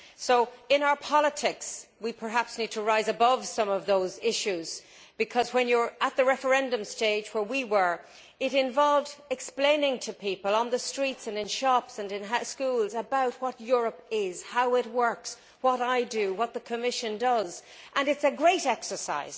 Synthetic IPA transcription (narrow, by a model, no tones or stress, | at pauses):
soʊɪ̃ñaʊə˞pʰɑlˠətʰɪkswipʰə˞ɦæpsnid̚tʰəɹaɪzəbʌv̥sʌ̃mʌvðoʊzɪʃʉz | b̥ɨkʰʌzwə̃njə˞ət̪̚ðəɹɛfə˞ɛ̃ndə̃msteɪd͡ʒwə˞wiwə˞ | ɪɾɪ̃ɱvɑlˠvdɨksplẽɪ̃nɪ̃ŋtʰɨpʰipəlˠə̃nðəstɹ̥itsɨ̃nɨ̃nʃɑpsə̃nɨ̃nɦaskulˠzəbaʊt̚wʌtjʊɹəpɪz̥haʊɪt̚wɜ˞ks | wʌɾaɪdɨwʌt̪̚ðəkʰɨmɪʃɨ̃ndʌzʔə̃nɨtsɨɡɹeɪɾɛksə˞sa̰ɪz̥